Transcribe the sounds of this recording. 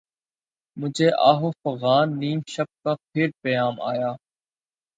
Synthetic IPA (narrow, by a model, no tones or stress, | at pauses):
mʊd͡ʒʱeːʔaːɦoːfəɣaːnːiːmʃəp̚kaːpʰɪːɾpəjaːma̰ːjaː